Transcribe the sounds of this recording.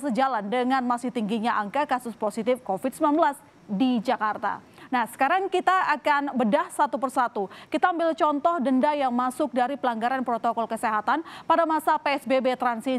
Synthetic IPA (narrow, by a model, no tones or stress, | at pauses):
səd͡ʒalandəŋanmasɪht̪iŋɡiɲaʔaŋkakasʊsposit̪ɪfkofid̪sumlanbəlas | did͡ʒakart̪a̰ | nahsə̥kaɾaŋkit̪aakanbədahsat̪upərsat̪ukit̪aːmbɪlt͡ʃɔnt̪ɔhdəndajaŋmasʊk̚daɾipəlaŋɡaɾanpɾot̪okɔlkəseɦat̪anpadamasapeɛsbebet̪ɾansi